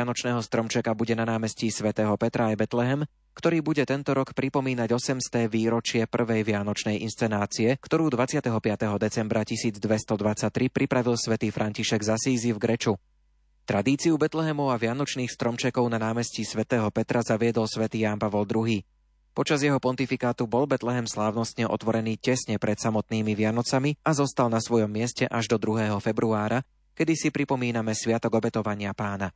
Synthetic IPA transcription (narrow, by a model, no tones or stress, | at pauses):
anɔt͡ʃnɛːɦɔst̪ɾɔmt͡ʃɛkabuɟɛnanaːmɛscisʋɛt̪ɛːɦɔpɛt̪ɾʔaːjbɛt̪lɛɦɛm | kt̪ɔɾiːbuɟɛt̪ɛnt̪ɔɾɔkpɾipɔmiːnaɟɔsɛmst̪ɛːʋiːɾɔt͡ʃɪɛpr̩ʋɛjʋɪanɔt͡ʃnɛjʔḭnst͡sɛnaːt͡siɛkt̪ɔɾuːd̪ʋat͡sɪat̪ɛɦɔpɪat̪ɛɦɔd̪ɛt͡sɛmbɾacisiːd͡zd̪ʋɛst̪ɔd̪ʋat͡sac̚t̪ɾipɾipɾaʋilsʋɛt̪iːfɾʔaɲciʃɛɡzasiːzivɡɾɛt͡ʃu | t̪ɾad̪iːt͡siubɛt̪lɛɦɛmɔʊaʋɪanɔt͡ʃniːxst̪ɾɔmt͡ʃɛkɔʊnanaːmɛscisʋɛt̪ɛːɦɔpɛt̪ɾazaʋɪɛd̪ɔlsʋɛt̪iːjaːnpaʋɔld̪ɾuɦiː | pɔt͡ʃazjɛɦɔpɔnt̪ifikaːt̪ubɔlbɛt̪lɛɦɛmslaːʊnɔst̪ɲɛʔɔ̰t̪ʋɔɾɛniːcɛsɲɛpɾʔɛt̪samɔt̪̚niːmiʋɪanɔt͡samiazɔst̪alnasʋɔjɔmːɪɛscɛʔaʒd̪ɔd̪ɾuɦɛːɦɔfɛbɾuaːɾa | kɛd̪isipɾipɔmiːnamɛsʋɪat̪ɔɡɔbɛt̪ɔʋaɲɪapaːna